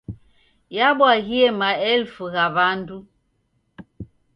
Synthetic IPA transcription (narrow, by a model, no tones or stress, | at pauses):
jaɓwaɣiɛmaɛlfuɣaβandu